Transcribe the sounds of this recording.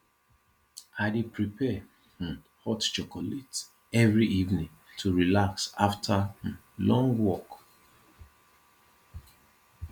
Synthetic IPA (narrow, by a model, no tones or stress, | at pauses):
aɪdipɹipʰɛ | h̩ | hɔtt͡ʃɔkɔlet | ɛvɹiivnĩŋ | tʰuɹilaksaftʰah̩ | lɔ̃ŋɡwɔk